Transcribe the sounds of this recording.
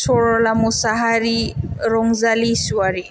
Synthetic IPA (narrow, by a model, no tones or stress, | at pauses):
sɔɹɔlamusaɦaɾiɾɔŋzalisuwaɾi